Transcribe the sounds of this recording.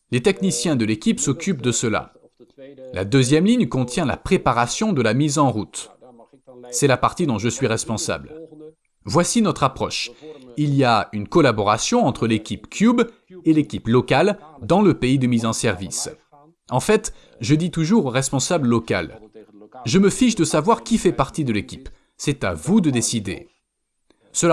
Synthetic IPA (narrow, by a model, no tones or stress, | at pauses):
let̪ɛknisjɛ̃d̪əlekʲipsɔkʲyp̚d̪əsəla̰ | lʔa̰d̪øzjɛmliɲkɔ̃t̪jɛ̃la̰pχepaʁasjɔ̃d̪əlamizɑ̃ʁut̪ | sɛlapaʁt̪id̪ɔ̃ʒəsɥiʁɛspɔ̃sa̰bl | vwasinɔt̪χapχɔʃilijaynkɔlabɔʁasjɔ̃ɑ̃t̪χəlekʲipkʰʲjub | elekʲiplɔkald̪ɑ̃ləpeid̪əmizɑ̃sɛʁvḭs | ɑ̃fɛt̪ | ʒəd̪it̪uʒuʁoʁɛspɔ̃sabləlɔka̰l | ʒəməfiʃd̪əsavwaʁkʲifɛpaʁt̪id̪əlekʲip | sɛt̪avud̪əd̪esid̪ḛ | səla